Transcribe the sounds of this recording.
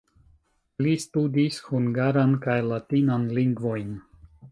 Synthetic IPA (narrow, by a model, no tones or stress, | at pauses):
listudishuŋɡaɾankajlatinanliŋɡvo̞jn